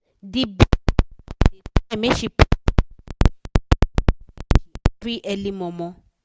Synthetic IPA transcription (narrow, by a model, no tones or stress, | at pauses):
dib | ɛmeʃip | biʔɛlimɔ̃mɔ̃